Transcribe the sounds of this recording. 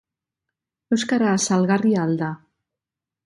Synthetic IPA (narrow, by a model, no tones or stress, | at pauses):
oskaɾasalɣariald̪a